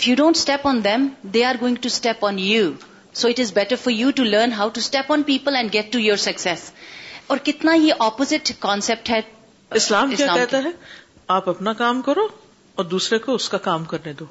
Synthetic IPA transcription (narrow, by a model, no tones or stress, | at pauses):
ɪfjuːɖõːnʈsʈɛpɔ̃ːnd̪ɛ̃md̪eːaːɾɡoːɪ̃ŋɡʈusʈɛpɔ̃njuː | soːɪʈɪzbɛʈəɾfɔɾjuːʈuləːɾnɦaʊʈusʈɛpɔ̃ːnpiːpəlɛ̃ɳɖɡɛʈːujoːɾsɐksɛsɔːɾkɪt̪najeʔɔːpozɪʈkɔ̃ːnsɛp̚ʈɦɛ | ɪslaːmkjaːkɛɦt̪aɦɛ | aːpɐpnakaːmkɐɾoː | ɔːɾd̪uːsɾekoʊskakaːmkɐɾned̪oː